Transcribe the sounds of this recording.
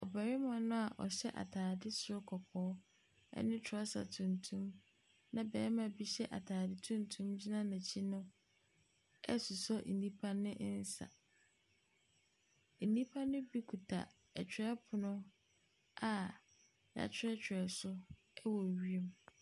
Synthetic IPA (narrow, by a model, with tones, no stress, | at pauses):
ɔ˨ba˨ɾɪ˦mã˨nʊ̃˦a˨ʔɔ̰˨ɕɛ˦ʔa̰˨tʰaː˨dɪ˦sʊ˦ʊ˦kʰɔ˨kʰɔː˨˦ | ɛ̰˦nɪ̃˦tʰɔ˦sa̰˨tʰũ˨ntʰũ˦m | nã˨bɛː˨˦mã˨bi˦ɕɛ˦ʔa̰˨tʰaː˨dɪ˦tʰũ˦n˦tʰũ˦md͡ʑi˦nã˦nã˨t͡ɕʰi˦nʊ̃˦ | ɛ̰˦su˨sɔ˦n̩˨nĩ˦pʰã˦nːɪ̃˦ʔn̩˦sa̰˨ | n̩˨nĩ˦pʰã˦nːʊ̃˦bi˦kʰu˨tʰa̰˨ | ɛ˨t͡ɕʰᶣɪ˨˦ɛ˦pʰʊ˨nʊ̃˦ | a˨ | ja̰˨t͡ɕʰᶣɾɛ˦t͡ɕᶣʰɪ˨ɛ˨sʊ˦ | ɛ˦wɔ˨ɥi˦e˨m